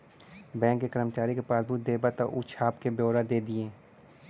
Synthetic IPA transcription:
bɛ̃ːkːekəɾəmət͡ʃaːɾikepaːsbuːt̪̚d̪eːbat̪aʔṵt͡ʃʰaːpkebjoːɾad̪eːd̪ɪẽː

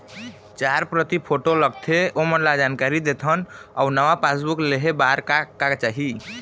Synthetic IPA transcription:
t͡ʃaɾpɾət̪ipʰoʈoləɡt̪ʰeomənlad͡ʒankaɾid̪et̪ʰənawnəʋapasbukleɦebaɾkakakt͡ʃaɦi

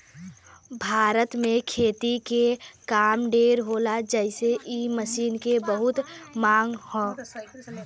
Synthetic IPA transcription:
bʱaːɾət̪mẽkʰeːt̪ikekaːmɖeɾɦolad͡ʒɛɪseʔiməsiːnkebəɦʊt̪maːŋɡhɔ̃ː

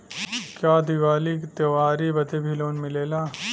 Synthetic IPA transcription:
kjaːd̪iʋaːlikt̪jɐʋaːɾibɐd̪ebʱiloːnmɪleːlaː

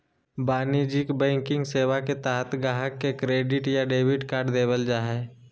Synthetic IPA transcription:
baːnid͡ʒɪkbɛ̃ːŋkɪ̃ŋɡseːʋaket̪aːɦət̪ɡaːɦəkːekɾeːɖɪʈjaɖeːʋɪʈkaːɾɖd̪eːbəld͡ʒaːɦɛː

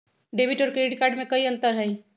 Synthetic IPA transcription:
ɖeːbɪʈɔːɾkɾeːɖkaːɾɖmẽkɐiɐ̃nt̪əɾɦɛi

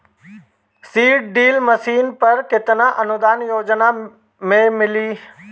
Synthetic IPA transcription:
siːʈ̚ɖiːlməsiːnpɐɾkɪt̪nãʔɐnʊd̪aːnjoːd͡ʒna | mẽmɪliː

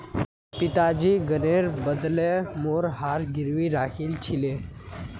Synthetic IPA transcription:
pit̪ad͡ʑiːɡəneɾbəd̪lemoɾɦaɾɡiɾʋiːɾakʰiːlt͡ɕʰile

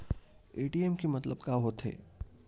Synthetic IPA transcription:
eːʈieːmkimɐt̪ləbkaɦot̪ɦḛː

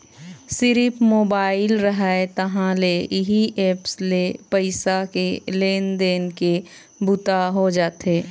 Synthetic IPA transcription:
sɪɾɪpmoːbaːɪlɾəɦaet̪ɐɦãleɪɦiʔeːpslepəɪsakeleːnd̪eːnke | bʊt̪aɦod͡ʒaːt̪ɦeː

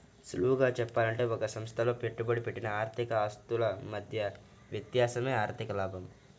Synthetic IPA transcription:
sluʋuɡaːt͡ʃɛpːaːlɐɳʈe̞ːɔkɐsɐmst̪ʰɐlo̞ːpe̞ʈːubɐɽipeʈːinɐaːɾt̪ʰikɐaːst̪ulɐmɐd̪ʱjɐ | ʋjɐt̪jaːsɐme̞ːaːɾt̪ʰikɐlaːbʱɐm

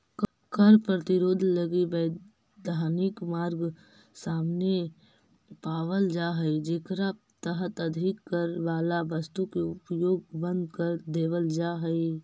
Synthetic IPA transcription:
kəɾpɾət̪ɪɾoːd̪ʱləɡibɛː | d̪ʱaːnɪkmaːɾɡ | saːmne | paːʋəld͡ʒaːɦɛed͡ʒeːkɾa | t̪əɦət̪əd̪ʱɪkːəɾʋaːlaʋəst̪ukeʊpjoːɡ̚bə̃nd̪kəɾd̪eːʋəld͡ʒaːɦəe

